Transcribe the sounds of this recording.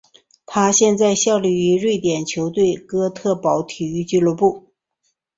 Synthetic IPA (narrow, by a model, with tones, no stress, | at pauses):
t̪ʰa˥ɕjɛ˥˧nt͡sa˥˧ɪɕjɑ˥˧ʊli˥˩y˧˥ɻwe˥˩ɪt̪jɛ˨˩nt͡ɕʰjo˧˥ʊt̪we˥˩ɪkɤ˥t̪ʰɤ˥˩pɑ˨˩ʊt̪ʰy˨˧˥t͡ɕy˥lwɔ˧˥pu˥˩